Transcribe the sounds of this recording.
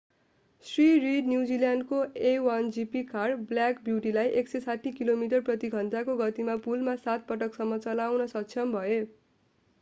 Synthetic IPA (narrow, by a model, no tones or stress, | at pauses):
sririɖnjuwd͡zilanɖkoewand͡zipikarbljakbjuwʈilajʔeksesaʈʰːikilomiʈ̬ʌrprʌt̪iɡʱʌnt̪akoɡʌt̪imapulmasat̪̚pʌʈʌksʌmːʌt͡sʌlawnʌsʌk̚t͡sʰjʌmbʱʌe